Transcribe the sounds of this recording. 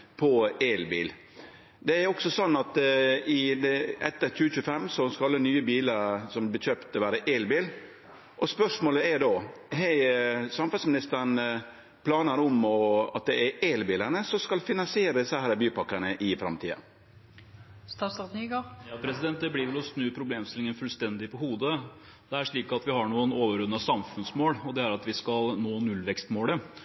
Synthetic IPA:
pʰɔɛːlbḭːl | d̪ɛɛɾɔksɔsɔnːɑt̪ɪd̪ɛʔɛt̪ːəɾçʉːəçʉːəfɛmːsɔskɑɑlːənyːəbiːləɾsɔmb̪ɪçøːpt̪ʋæːɾəʔɛːlbiːl | ʔɔspœʂmoːləɛɾɖ̪oː | ɦɛɪsɑmfɑlsmɪnɪst̪əɾɳ | pʰlɑːnəɾɔmɔɑ̰t̪̚d̪ɛæɾelbɪːləɳəsɔskɑlfɪnɑnsɪeːɾəsæhæːɾəbyːpɑkːəɳəʔɪfɾɑ̰mt̪ʰḭːɑ̰ | st̪ɑsɑɡopʰɾɛsɪd̪ɛnt̪̚d̪ɛbliːʋɛlɔsnʉːpʰɾʊbleːmst̪ɪlɪŋənfʉlst̪ɛnd̪ɪpɔhuːd̪ə | d̪̥ɛæʂɭiːkɑt̪ʋɪɦɑɳuːənoːʋəɾʉnːɑsɑmfʉnsmoːlɔd̪ɛæɾɑt̪ʋɪskɑlnoːnʉlʋɛkst̪moːlə

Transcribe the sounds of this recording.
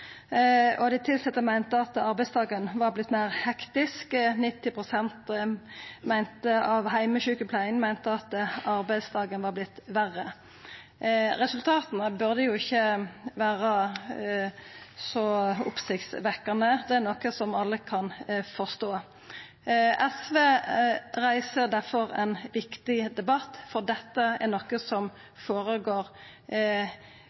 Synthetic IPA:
ɔd̪ɛɪt̪ʰɪlsɛt̪ːəmæɪnt̪əɑt̪ɑɾbæɪsd̪ɑːɡənʋɑʁblɪt̪ːmæɪʁhɛkt̪ɪsknɪt̪ːɪpʰʁʊsɛnt̪ | mæɪnt̪əɑʋhæɪməʃʉːkəpʰlæɪŋmæɪnt̪əɑt̪ɑɾbæɪd̪sd̪ɑːɡənʋɑʁblɪt̪ːʋæʁːə | ɾɛsʉlt̪ʰɑːt̪ənəbʉʁd̪əjʊɪçːəʋæːʁə | sɔʊ̰psɪkt̪sʋɛkːənəd̪ɛæɾnɔkəsɔmɑlːəkʰɑnfɔst̪oː | ɛsʋeːʁæɪsəd̪æʁfɔʁɛnʋɪkt̪ɪd̪ɛbɑt̪ːfɔʁd̪ɛt̪ːəæʁnɔkəsɔm | foːʁəɡoːɾ

